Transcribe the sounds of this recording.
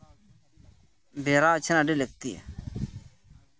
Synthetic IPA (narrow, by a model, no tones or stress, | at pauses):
beːɾaːt͡ɕʰinaɖilək̚t̪iḛ